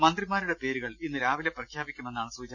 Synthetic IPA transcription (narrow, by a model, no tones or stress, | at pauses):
mɐnd̪rimaːɾuɽe̞pe̞ːɾuɣɐɭinːɨɾaːʋileprɐkʰjaːbikʲːume̞nːaːɳɨsuːd͡ʑɐ